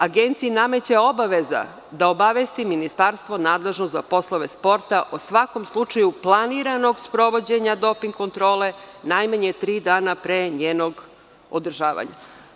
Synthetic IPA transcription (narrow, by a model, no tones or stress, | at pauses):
aɡent̪siiname̞t͡ɕeo̞baʋeza̰ | d̪aobaʋest̪iminist̪aɾst̪ʋo̞naːd̪le̞ʒnozapo̞slˠoʋe̞spo̞ɾt̪aʔosʋako̞mslˠut͡ʃajuplˠaniɾano̞ɡspɾo̞ʋo̞d͡ʑe̞ɲad̪o̞piŋɡko̞nt̪ɾo̞ːle̞najmaɲe̞t̪ɾiːd̪aːnapɾeːɲeːno̞ɡ | o̰d̪r̩ʒaːʋa̰ɲa̰